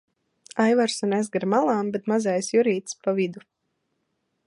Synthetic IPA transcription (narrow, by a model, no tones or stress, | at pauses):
ajvaɾsunɛzɡaɾmalˠaːmbɛt̪mazajsjuɾiːt̪spavid̪u